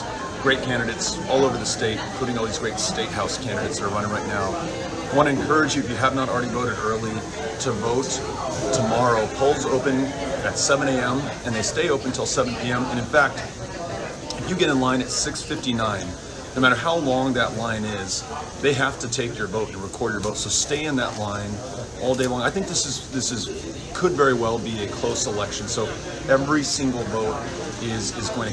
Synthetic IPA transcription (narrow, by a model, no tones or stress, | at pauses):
ɡ̥ɹeɪt̚kʰæ̃ndɨɾeɪts | ɔlˠoʊvə˞ðɨsteɪɾ̃n̩kʰl̥uɾɪ̃ŋɔlˠðizɡɹeɪtsteɪt̚ɦaʊskʰæ̃ndɨɾeɪtsðəɾə˞ɹʌñɪ̃ŋɹaɪtⁿnaʊ | wʌ̃ñɨ̃nkʰɜ˞ɨd͡ʒjɨɨfjɨəvnəɾl̩ˠɹɛɾivoʊɾɨɾɜ˞lˠi | ɾəvoʊtʰ | əmɑɹoʊpʰoʊlˠzoʊpɨ̃nɨtsɛvə̃ñeɪɛ̃mɨ̃nðeɪsteɪoʊpn̩tʰɪlˠsɛvnpʰiɛ̃mɨ̃ñɨ̃nfæk̚t̚ | ɨfjɨɡɛɾɨ̃nlãɪ̃ñɨtsɪksfɪftinãɪ̃n | noʊmæɾə˞ɦaʊlɔ̃ŋðɨʔˡlãɪ̃nɪz̥ | ðeɪɦæftɨtʰeɪkjə˞voʊɾɨ̃n̩ɹɨkʰɔɹdjə˞voʊtsoʊsteɪɨ̃nðə̰ʔˡlãɪ̃n | ʔɔlˠdeɪlɔ̃ŋaɪθɪ̃ŋk̚ðɪsɨz̥ðɪsɨz | kʰɨdvɛɹiwɛlˠbiɨkʰl̥oʊsəlɛkʃɨ̃n̩soʊ | ɛvɹisɪ̃ŋɡl̩ˠvoʊɾ | ɪzɪzɡoʊɪ̃